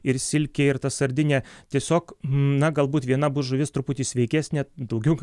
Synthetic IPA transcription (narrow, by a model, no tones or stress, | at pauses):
ɪɾsʲɪlʲkʲeːɪɾt̪ɐsɐɾʲd̪ʲɪnʲɛːtʲiɛsʲoːknɐɡɐlˠbuːt̪ʋʲiɛnɐbʊːʒʊʋʲɪst̪ɾʊpʊt̪ʲiːsʲʋʲɛɪkʲæːsʲnʲɛd̪ɐʊɡʲɛʊ